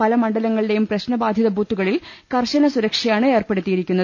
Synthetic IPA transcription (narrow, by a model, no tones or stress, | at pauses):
pɐlɐmɐɳɖɐlɐŋːɐɭiɽe̞jumprɐɕnɐbaːd̪ʱjɐðɐbʱuːt̪ːuɣɐɭilkɐrɕɐnɐsuɾɐkʂɐjaːɳɨe̞ːrpe̞ɽut̪ːijiɾikʲːunːɐð